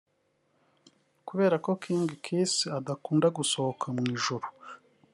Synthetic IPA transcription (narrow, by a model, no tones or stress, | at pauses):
kuβe̞ːɾakokʰiːŋɡikʰisiadakuːndaɡuso̞hokʰamŋiːʒuɾu̥